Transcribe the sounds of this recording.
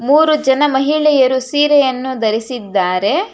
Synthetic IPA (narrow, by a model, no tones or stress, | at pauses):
muːɾud͡ʒɐnɐmɐɦiɭɛjɐɾusiːɾɛjɐnːud̪ɐɾisid̪ːaːɾe̞